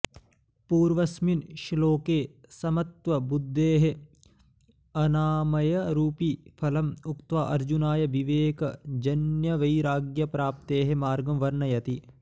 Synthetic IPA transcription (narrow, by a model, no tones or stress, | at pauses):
puːɾʋɐsminʃloːkeːsɐmɐt̪ʋɐbud̪ʱːeːɦe | ɐnaːmɐjɐɾuːpipʰɐlɐmukt̪ʋaʔɐɾd͡ʒunaːjɐʋiʋeːkɐd͡ʒɐnjɐʋɐjɾaːɡjɐpɾaːp̚t̪eːɦemaːɾɡɐmʋɐɾnɐjɐt̪i